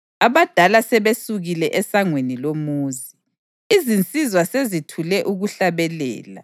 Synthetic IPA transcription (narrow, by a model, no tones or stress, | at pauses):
aβad̥ʱalasɛβesuɣilɛʔɛsaŋwenilomuːzi | izint͡sʼizwasezitʰulɛʔuɣuɬaβɛlɛ̰ːla̰